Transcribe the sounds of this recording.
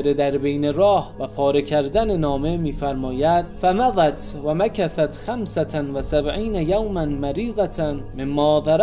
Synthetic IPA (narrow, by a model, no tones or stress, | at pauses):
ɾed̪æɾbejneɾɒːhvæpʰɒːɾecʰæɾd̪ænenɒːme̞miːfæɾmɒːjæd̪fæmæðˤæt̪væmækæθæt̪xæmsæt̪ʰænvæsæbʕiːnæjawmænmæɾiːɣæt̪ʰænmemːɒːðˤɑɾ